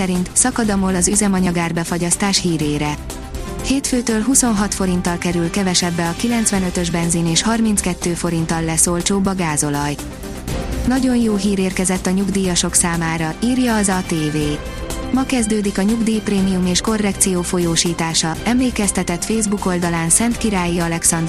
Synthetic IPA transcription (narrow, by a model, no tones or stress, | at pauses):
ɛɾint̪sɒkɒd̪ɒmo̞lɒzyzɛmɒɲɒɡaːrbɛfoɟɒst̪aːʃhiːɾeːɾɛ | heːt̪føːt̪øːlɦuso̞nɦɒt̪fo̞ɾin̪t̪ːɒlkɛɾylkɛvɛʃɛbːɛɒkilɛnt̪sʋɛnø̞t̪øʒbɛnzineːʃhɒrmint̪skɛt̪ːøːfo̞ɾint̪ɒlːɛsolt͡ʃoːbːɒɡaːzo̞lɒj | nɒɟo̞njoːɦiːɾeːrkɛzɛt̪ːɒɲuɡd̪iːjɒʃo̞ksaːmaːɾɒiːrjɒːzɒt̪eːveː | mɒkɛzd̪øːd̪ikɒɲuɡd̪iːpreːmijumeːʃko̞rːɛkt̪sijoːfo̞joːʃiːt̪aːʃɒɛmleːkɛst̪ɛt̪ɛt̪feːzbuko̞ld̪ɒlaːnsɛnt̪kiɾaːjiɒlɛksɒnd̪